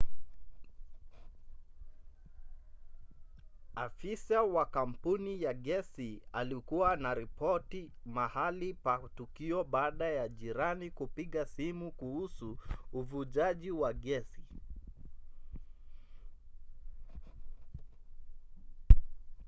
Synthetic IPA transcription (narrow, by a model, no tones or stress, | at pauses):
afisawakam̩punijaɠɛsialikuwanaɾipɔti | mahalipatukiɔɓaːɗajaʄiɾanikupiɠasimukuhusuːvuʄaʄiwaɠɛsi